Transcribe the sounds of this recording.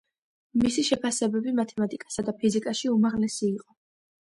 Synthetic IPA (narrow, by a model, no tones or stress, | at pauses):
misiʃɛpʰasɛbɛbimat̪ʰɛmat̪ʼikʼḁsad̪apʰizikʼaʃiumaʁlɛsiːqʼɔ